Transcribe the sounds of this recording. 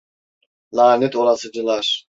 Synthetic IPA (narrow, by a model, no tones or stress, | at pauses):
lˠaːnɛt̪ʰoɾasɯd͡ʒɯlˠaɾ̥